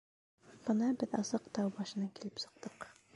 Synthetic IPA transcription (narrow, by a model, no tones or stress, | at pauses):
b̥ɤnɑbɘðɑsɤqt̪ɑwbɑʃɤ̆nɑkilɘpsɤ̆q̚t̪ɤq